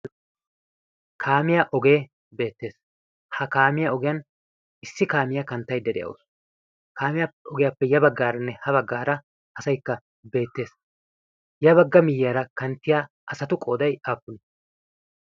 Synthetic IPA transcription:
kʰaːmɪjaʔɔɡe̞ː | be̞ːt̪ːe̞ːs | hɐkaːmɪjaɔɡɪjɐn | ɪsːɪkaːmɪjakɐnt̪ːɐjd̪ɛd̪ɛ̰jʔɐ̰o̰ːs | kaːmɪjapːɛɔɡɪjapːɛjɐbɐɡːaːɾɐnːɛhɐβɐɡːaːɾɐ | ʔɐsɐjkːɐ | be̞ːt̪ːe̞ːs | jɐβɐɡːɐmɪjːɪjaːɾɐkɐnt̪ːɪjaː | ʔɐsɐt̪ʊkʼo̞ːd̪ɐjaːpːʊnɪ

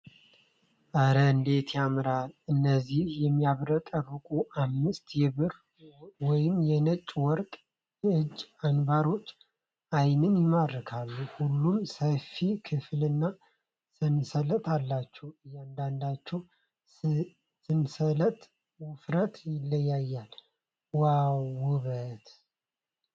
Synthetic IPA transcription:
ʔəɾəɨnd̪e̞t̪ʰjamɾalɨnːəzːihjɛmːijaβɾət̪ʼəɾɨkʼuʔamːɨst̪jɛβɨɾ | wɔjɪmjɛnət͡ʃʼːwɔɾkʼ | jɛɨd͡ʒːanbaɾo̞t͡ʃʼː | ʔajnɨnjɪmadɾkʰalːuhulːumsəfikʰɨflɨnːa | sɨnsələt̪ʰalːat͡ʃːɛwɨjːand̪and̪at͡ʃːɛw | sɨnsələt̪ʼ | wʊfɾət̪jɪlːəjːajːal | wawʊβət̪

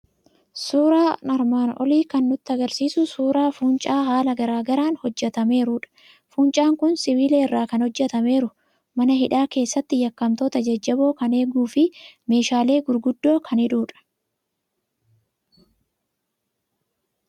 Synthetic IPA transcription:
suːɾaːnɐɾmaːnʔɔ̰liːkɐnːʊt̪ːɪɐɡɐɾsiːsʊsuːɾaːfuːnt͡ʃʼaːhaːlɐɡɐɾaːɡɐɾaːnhɔd͡ʒːɛt̪ɐme̞ːɾʊᶑɐ̥ | fuːnt͡ʃʼaːŋkʊnsɪβiːleːɪrːaːkɐnhɔd͡ʒːɛt̪ɐme̞ːɾʊ | mɐnɐɦɪᶑaːke̞ːsːɐt̪ːɪjɐkːɐmt̪ot̪ɐd͡ʒɐd͡ʒːɐbo̞ːkɐne̞ːɡuːfɪme̞ːʃaːle̞ːɡʊɾɡʊd̪ːo̞ːkʰɐnɪᶑuːᶑɐ̥

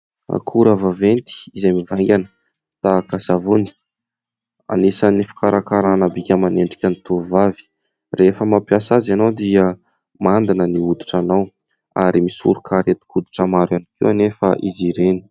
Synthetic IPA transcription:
kʰuɾavavent̪i̥izejmivaŋɡʲanə̥ | t̪akasavuni̥ | a̰nisanifi̥kaɾakaɾanabikʲəmaneɳɖ͡ʐi̥kʲanit̪uvavi̥ | refəmapijasazanawd̪iə | mand̪inəniud̪i̥ʈ͡ʂanaw | aɾimisṵɾukʰaɾet̪i̥kud̪i̥ʈ͡ʂəmaɾanikiwanefə̰ʔiziɾeni̥

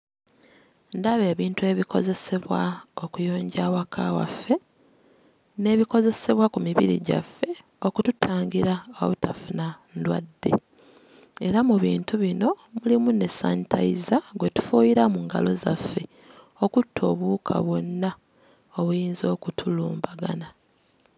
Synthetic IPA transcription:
ndaβe̞ːβiːntue̞βiko̞̰ze̞se̞βwaokujo̞ːɲɟawakʰa̰wa̰fːe̞ | ne̞βiko̞ze̞se̞βwakumiβḭɾḭɟa̰fːe̞ | o̞kututʰaːŋɡiɾaːo̰βutafunandwa̰dːe̞̰ | e̞ɾamuβiːntuβino̞mulimune̞sa̰ntʰaizaɡwe̞tu̥fuːjiɾamuŋɡa̰lo̞zafːe̞ | o̞kutʰːo̞ːβuːkʰa̰βwo̞nːa | oβujiːnzo̞ːkutʰuluːmbaɡa̰na

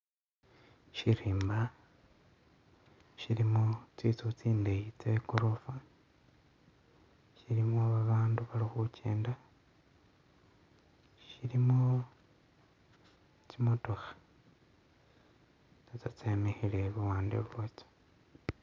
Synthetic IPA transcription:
ʃiɾiːmba | ʃiɾimot͡sit͡sut͡siːndejit͡sekoɾofa | ʃiɾimoβaβaːnduβalixucʰḛːnda | ʃiɾimo | t͡ʃimotoxḁ | t͡sat͡sat͡semehileβuwaːndeβwot͡so̥

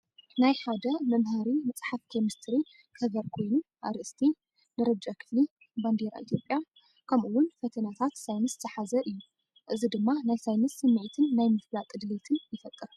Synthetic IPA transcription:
najħad̪ɐmɐmɦaɾimɐt͡sʼħaft̪ʰemɨst̪ʰɨɾi | hɐβɐɾkʰo̞jnuʔa̰ɾʔɨst̪ʰi | nɨɾɐd͡ʒakʰɨ̥fli | band̪eɾa̰ʔḭt̪ʰjo̞pʼja | kʰɐmʔuwʊnfɐt̪ʰɐnat̪ʰat̪sajnɨst̪ɨħazɐʔɨjːu | ʔɨzid̪ɨmːanajsajnɨsɨmːɨʔit̪ʰɨnːajmɨflakʼɨd̪let̪ʰɨnjɪfɐt̪ʼːɨɾ

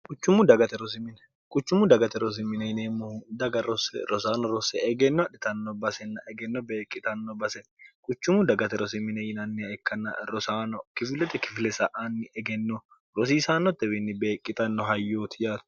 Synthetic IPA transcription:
kʼʊt͡ʃːʊmʊd̪ɐɡɐt̪ɛɾɔs̬ɪmɪnɛ | kʼʊt͡ʃːʊmʊd̪ɐɡɐt̪ɛɾɔs̬ɪmːɪnɛɪneːmːʊd̪ɐɡɐɾɔsɛ̰ɾɔsaːnɔɾɔsɛɛɡɛnːɔɐᶑɪt̪ɐnːɔbɐsɛnːɐʔɛɡɛnːɔbeːkʼːɪt̪ʼɐnːɔbɐsɛnkʼʊt͡ʃːʊmʊd̪ɐɡɐt̪ɛɾɔsɪmɪnɛjɪnɐnːɪɛkːɐnɐ̰ɾɔsaːnɔkɪfɪlɛt̪ɛkɪ̥fɪlɛsɐʔanːɪʔɛɡɛnːɔ | ɾɔs̬iːsaːnːɔt̪ːɛbɪnːɪbeːkʼːɪt̪ʼɐnːɔɦɐjːoːt̪ɪjaːd̪

